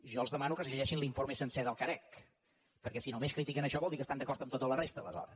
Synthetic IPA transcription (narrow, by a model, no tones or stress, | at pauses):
ʒɔəlˠzðəmanukəsəʒəʒɛʃinliɱfoɾməsənsɛðəlˠkəɾɛk | pəɾkɛsinomeskɾit̪ikənəʃɔβɔlˠd̪ikəst̪and̪əkɔɾt̪əmt̪ot̪ələrest̪əːlˠə̰zɔ̰ɾə̰s